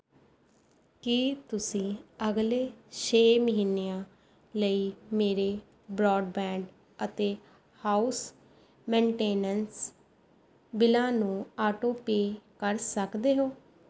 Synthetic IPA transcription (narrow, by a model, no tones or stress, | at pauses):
kit̪ʊsĩːəɡleːʃeːməɦiːneːãː | ləiːmeːɾeː | bɾɔːɖbɛ̃ːɳɖ | ət̪eː | haːus | mẽːɳʈeːnəns | bɪlãːnũːaːʈoːpeːkəɾsəkd̪eːɦoː